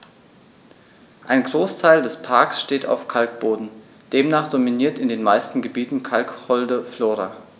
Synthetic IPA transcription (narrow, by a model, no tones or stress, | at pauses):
ʔaɪnɡʁoːstʰaɪldɛspʰaɐksʃteːtʰa̰ʊfkʰalk̚b̥oːdn̩ | d̥eːmnaːχd̥ominiːɐtɪndeːnmaɪstn̩ɡəbiːtn̩kʰalkhɔldəfloːʁa̰